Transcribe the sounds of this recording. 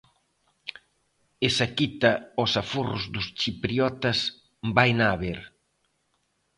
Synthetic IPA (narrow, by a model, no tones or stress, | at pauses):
esakit̪ɐosaforʊ̰zd̪ʊst͡ʃipɾiɔt̪ɐs | bajnaːβeɾ